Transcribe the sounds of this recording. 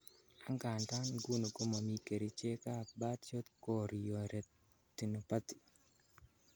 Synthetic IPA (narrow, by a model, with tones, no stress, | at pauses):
a˦ŋɡa˨nta˦nɡu˦no˨ɡo˦ma˨mi˦ke˨ɾi˦t͡ʃe˦ka˦˨ba˦tt͡ʃo˦t̪ko˦ɾjo˨ɾe˨ | t̪i˨no˨pa˦t̪i̥˨